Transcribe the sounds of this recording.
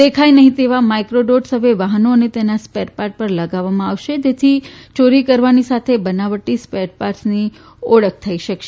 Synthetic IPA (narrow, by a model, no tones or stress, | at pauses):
d̪ekʰajnəɦĩt̪eʋamajkɾoɖoɖsɦəʋeʋaɦənoənet̪enaspeʈpaɾʈ̚pəɾləɡaʋːamãaʋʃed͡ʒet̪ʰit͡ʃoɾikəɾʋanisat̪ʰebənaʋəʈːispeɖpaɾsni | ɔɭək̚ʰt̪ʰəiʃəkʃe